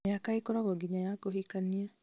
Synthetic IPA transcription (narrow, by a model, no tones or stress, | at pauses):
jakaikoɾɔɣɔɡiɲajakoɦikania